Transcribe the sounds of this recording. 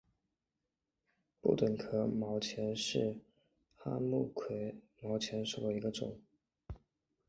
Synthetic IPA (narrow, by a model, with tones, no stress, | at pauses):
pṵ˥˩t̪wə˨˩nkʰɤ˧˥mɑ˧˥ʊt͡ɕʰjɛ˧˥nʂɻ̩˥˩ | xa˥mu˥˩kʰwe˨˩˦ɪ | mɑ˧˥ʊt͡ɕʰjɛ˧˥nʂu˨˩d̪ə˧i˧˥ɡə˧ʈ͡ʂʊ̰˨˩˦ŋ